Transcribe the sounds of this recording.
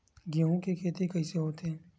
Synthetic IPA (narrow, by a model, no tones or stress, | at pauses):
ɡaɦõkekʰeːt̪ekɐiːseɦoːt̪ɦɛː